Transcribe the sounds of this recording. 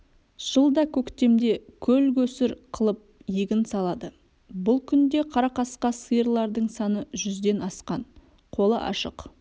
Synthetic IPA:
ʒ̥əlˠd̪ɑkʲʰɵkt̪e̞md̪e̞kʲʰɵlkʲɵsɪɾqʰəlˠəp̚jeɡʲɪnsɑlˠɑd̪ə | bʊlˠkʲʰʏnd̪e̞qʰɑɾɑqɑsqɑsəjəɾlˠɑɾd̪əɴsɑnəʒʏzd̪e̞nɑsqɑn | qʰo̞lˠə̰ʔɑ̰ʃə̰q

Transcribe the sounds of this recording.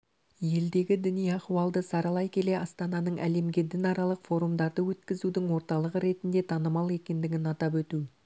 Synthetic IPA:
je̞ld̪e̞ɡʲɪd̪ʏnijɑquwɑlˠd̪əsɑɾɑlˠɑjkʲʰe̞le̞ʔɑst̪ɑnɑnəɴʔæ̰le̞mɡʲed̪ɪnɑɾɑlˠəqfo̞ɾumd̪ɑɾd̪əwɵt̪kʲɪzud̪ɪŋwo̞ɾt̪ɑlˠəʁəɾe̞t̪ɪnd̪e̞t̪ʰɑnəmɑlˠe̞kʲe̞nd̪ɪɡʲɪnɑt̪ɑpwɵt̪u

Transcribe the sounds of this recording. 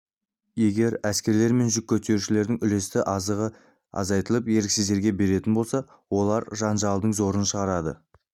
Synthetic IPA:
je̞ɡʲe̞ɾæskʲe̞ɾle̞ɾme̞nʒʏk̚ʲːʰɵt̪e̞ɾuʃɪle̞ɾd̪ɪŋʏle̞st̪ɪʔɑzəʁə | ɑ̰zɑjt̪əlˠəpje̞ɾkʲsɪzd̪e̞ɾɡʲe̞be̞ɾe̞t̪ɪnbo̞lˠsɑ | wo̞lˠɑɾʒɑnʒɑlˠd̪əɴzo̞ɾənʃəʁɑɾɑd̪ə̰

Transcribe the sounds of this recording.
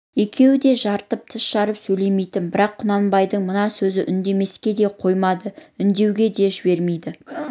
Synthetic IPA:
je̞kʲʰe̞wɪd̪e̞ʒɑɾt̪əp̚t̪ʰɪsʃɑɾəpsɵjle̞me̞jt̪ɪnbɪɾɑqːʰʊnɑnbɑjd̪əɴmənɑsɵzɪʔʏnd̪e̞me̞skʲe̞d̪e̞qʰo̞jmɑd̪əʏnd̪e̞wɡʲe̞d̪e̞ʒɪbe̞ɾme̞jd̪ɪ

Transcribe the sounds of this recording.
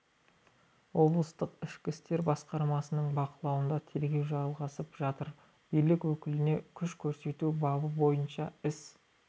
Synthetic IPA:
wo̞blˠəst̪əqɪʃkʲɪst̪e̞ɾbɑsqɑɾmɑsənəɴbɑqəlˠɑwənd̪ɑt̪ʰe̞lɡʲe̞wʒɑlˠʁɑsəpʒ̥ɑt̪əɾ | bijlɪkwɵkʲɪlɪne̞kʲʰʏʃkʲʰɵɾse̞t̪ubɑbəbo̞jənʃɑɪs

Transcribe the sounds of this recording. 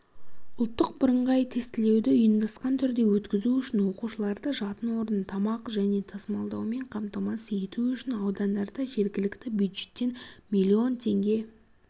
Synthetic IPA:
ʊlˠt̪ːəq̚bʊɾəɴʁɑjt̪ʰe̞st̪ɪle̞wd̪ɪʊjənd̪ɑsqɑnt̪ʰʏɾd̪e̞wɵt̪kʲɪzuʏʃɪnwo̞quʃəlˠɑɾd̪əʒɑt̪ənwo̞ɾənt̪ʰɑmɑqʒæne̞t̪ʰɑsəmɑlˠd̪ɑwme̞ɴqʰɑmt̪ɑmɑse̞t̪uʏʃɪnɑwd̪ɑnd̪ɑɾd̪ɑʒe̞ɾɡʲɪlɪkt̪ɪbjud̪ʒe̞t̪ːe̞nmʲilʲːio̞nt̪ʰe̞ŋɡʲe̞

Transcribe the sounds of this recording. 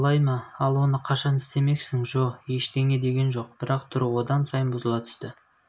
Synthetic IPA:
lˠɑjmɑɑlˠwo̞nəqʰɑʃɑnɪst̪e̞me̞ksɪŋʒo̞qje̞ʃd̪e̞ŋe̞d̪e̞ɡʲe̞nʒo̞q̚b̥ɪɾɑqt̪ʰʊɾwo̞d̪ɑnsɑjənbʊzəlˠɑt̪ʰʏ̥st̪ɪ

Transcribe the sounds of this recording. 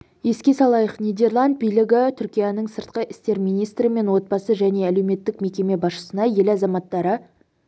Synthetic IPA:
je̞skʲe̞sɑlˠɑjəqnijd̪e̞rlˠand̪̚bijlɪɡʲɪt̪ʰʏɾkʲijɑnəɴsəɾt̪̚qəʔɪst̪e̞ɾmijnijst̪ɾɪme̞nwo̞t̪̚bɑsəʒæne̞æle̞wme̞t̪ːɪkme̞kʲe̞me̞bɑsʃə̥sənɑje̞lɑzɑmɑt̪ːɑɾə

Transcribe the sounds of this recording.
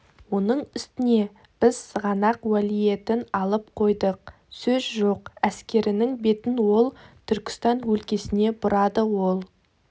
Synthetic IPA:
wo̞nəɴɪst̪ɪne̞ | b̥ɪz̥səʁɑnɑqwælije̞t̪ɪnɑlˠəp̚qʰo̞jd̪əq̚ | sɵzʒoqæskʲe̞ɾɪnɪŋbe̞t̪ɪnwo̞lˠt̪ʰʏɾkʲɪ̥st̪ɑnwɵlkʲe̞sɪne̞bʊɾɑd̪əwo̞lˠ

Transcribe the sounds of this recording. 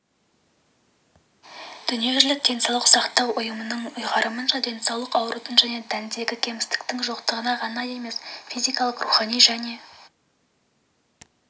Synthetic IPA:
d̪̥ʏnije̞ʒlɪk̚d̪̥e̞nsɑwlˠəqsɑqt̪ɑwʊjəmənəɴʊjʁɑɾəmənʒɑd̪e̞nsɑwlˠəqɑwɾʔut̪ənʒæne̞d̪ænd̪e̞ɡʲɪkʲʰe̞mɪst̪ɪ̥kt̪ɪŋʒoqt̪əʁənɑʁɑnɑje̞me̞sfʲizijkɑlˠəqruχɑnijʒæne̞

